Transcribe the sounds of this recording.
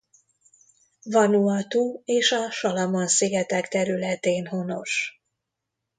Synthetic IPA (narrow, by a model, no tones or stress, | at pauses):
vɒnuɒt̪uːeːʃɒʃɒlɒmonsiɡɛt̪ɛkt̪ɛɾylɛt̪eːnho̞no̞ʃ